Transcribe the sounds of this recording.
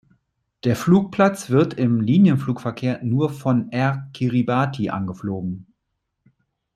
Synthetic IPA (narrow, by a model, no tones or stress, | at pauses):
d̥eːɐfluːk̚pʰl̥at͡sv̥ɪɐtɪmliːnjənfluːkfɛɐkʰeːɐnuːɐfɔnʔɛɐkʰiʁibaːtʰiʔa̰nɡəfloːɡŋ̩